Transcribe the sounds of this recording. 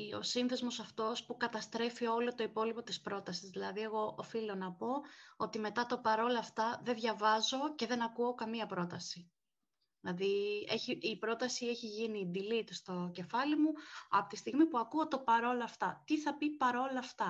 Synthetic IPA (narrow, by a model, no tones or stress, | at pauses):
o̞̰sinθe̞zmo̞sɐft̪o̞spukɐt̪ɐst̪ɾe̞fio̞lo̞t̪o̞ipo̞lipo̞t̪ispɾo̞t̪ɐsizðilɐðie̞ɣo̞ʔofilo̞nɐpo̞ot̪ime̞t̪ɐt̪o̞pɐɾo̞lɐft̪ɐðe̞ðʝɐvɐzo̞ce̞ðe̞nɐkuo̞kɐmiɐpɾo̞t̪ɐsi | ðilɐðieçiːpɾo̞t̪ɐsie̞çiʝinid̪ilit̪ust̪o̞ce̞fɐlimuɐ̰po̥t̪ist̪iɣmipuɐkuot̪opɐɾo̞loɐft̪ɐt̪iθɐpipɐɾo̞lɐːft̪ɐ